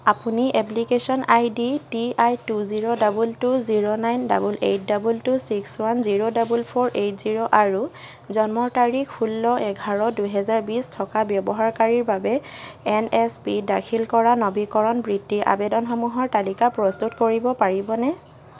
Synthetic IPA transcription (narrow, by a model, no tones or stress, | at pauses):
apuniʔɛplikesɔnʔajditiajtuziɹodabultuziɹonajnda̰bulḛjt̚dabultusikswanziɹodabulpʰɔɹʔejtziɹoʔaɹu | zɔnmɔtaɹikʰpulːɔʔɛɡʱaɹɔduɦɛzaɹbistʰɔkabjɔbɔɦaɹkaɹiɹbabɛɛnɛspidakʰilkɔɹanɔbikɔɹɔnbɹidːiɹʔa̰bɛdɔnxɔmuɦɔɹtalikapɹɔstutkoɹibɔpaɹibɔnɛ